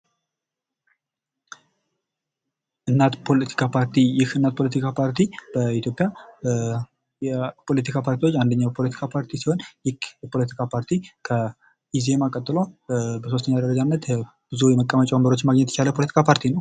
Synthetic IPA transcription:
ʔɨnːat̪pʰo̞lət̪ʰi̥kʰapʰaɾt̪ʰijɪhɨnːat̪̚pʰo̞lət̪ʰikʰapʰaɾt̪ʰib̥əit̪jo̞pʼːja | jɛpʰo̞lət̪ikʰapʰaɾt̪iwo̞t͡ʃːand̪əɲːabəpʰo̞lət̪ʰi̥kʰapʰaɾt̪ʰisiho̞njɪkjɛpʰo̞lət̪i̥kʰapʰaɾt̪ʰikʰə | ize̞makʼət̪ʼːɨlo̞bəsost̪ʰəɲːad̪əɾəd͡ʒanːət̪ | b̥ɨzujɛməkʼːəmət͡ʃʼɛambəɾo̞t͡ʃːmaɡɲɛt̪jɛt͡ʃaləpʰo̞lət̪i̥kʰapʰaɾt̪ʰinəw

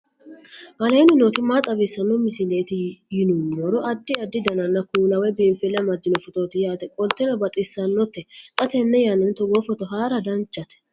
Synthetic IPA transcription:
ʔɐleːnɪnoːt̪ɪmaːt̪ʼɐbɪsːɐnːɔmɪsɪleːt̪ɪjɪnʊmːɔɾɔʔɐd̪ːɪɐd̪ːɪd̪ɐnɐnːɐkuːlɐwɛbiːmfɛlɐmɐd̪ːɪnɔfɔt̪oːt̪ɪjaːt̪ɛkʼɔlt̪ːɛnɔbɐt̪ʼɪsːɐnːɔt̪ːɛt̪ʼɐt̪ɛnːɛjanɛnt̪ɔɡoːfɔt̪ɔɦaːɾɐd̪ɐnt͡ʃʼːɐt̪ɛ̥

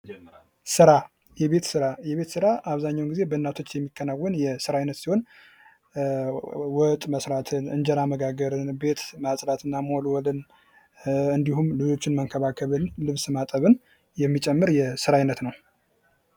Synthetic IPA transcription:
sɨɾa | jɛβe̞t̪sɨɾajɛβe̞t̪sɨɾaʔaβzaɲːawnɡize̞bəɨnːat̪ʰo̞t͡ʃːjɛmːikʰːənawːənjɛsɨɾajnət̪siho̞n | wɔt̪ʼməsɾat̪ʰɨnɨnd͡ʒɛɾaməɡaɡəɾɨnbe̞t̪masʼɾat̪ʰɨnːamolwɔlɨn | ɨnd̪iɦumlɨd͡ʒo̞t͡ʃːɪnməŋkʰəβakʰəβɨnlɨβsmat̪ʼəβɨn | jɛmːit͡ʃʼɛmːɨɾjɛsɨɾajnət̪nəw

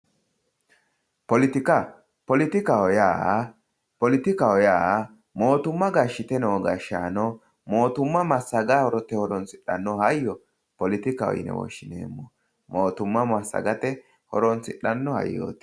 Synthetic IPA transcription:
pɔlɪt̪ɪka | pɔlɪt̪ɪkaɔjaː | pɔlɪt̪ɪkawɔjaː | mo̞ːt̪ʊmːɐɡaʃːɪt̪ɛnɛwɔɡɐʃːa̰ːnɔ | mo̞ːt̪ʊmːɐmɐsːɐɡahɔɾɔt̪ːɛhɔɾɔnsɪɗːɐ̰nːɔhɐjːɔ | pɔlɪt̪ɪkɐɔ̰jɪ̰nɛ̰wɔ̰ʃːɪnḛːmːɔ | moːt̪ʊmːɐmɐsːɐ̰ɡɐt̪ɛ | hɔɾɔnt͡sɪᶑɐnːɔhɐ̰jːo̰ːt̪

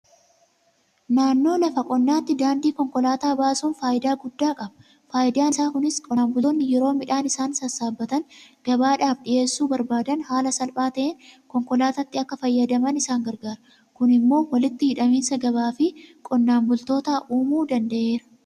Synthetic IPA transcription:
naːnːo̞ːlɐfɐkʼɔnːaːt̪ːɪd̪aːnd̪iːkɔŋkɔlaːt̪aːbaːsuːnfaːʔɪd̪aːɡʊd̪ːaːkʼɐbɐ̥ | faːjɪd̪aːnɪsaːkʊnɪskʼɔmbʊnːɪjɛɾo̞ːmɪᶑaːnɪsaːnsɐsaːbːɐt̪ɐnɡ̥ɐbaːᶑaːfᶑɪje̞ːsːuːbɐɾbaːd̪ɐnhaːlɐsɐlpʼaːt̪ɐʔeːnkɔŋkɔlaːt̪ɐt̪ːɪɐkːɐfɐjːɐd̪ɐmɐnɪsaːŋɡɐɾɡaːɾɐ | kʊnɪmːo̞ːwɐlɪt̪ːɪhɪᶑɐmiːnsɐɡɐβaːfɪkʼɔnːaːmbʊlt̪o̞ːt̪aːʔuːmuːd̪ɐnd̪ɐʔe̞ːɾɐ̥

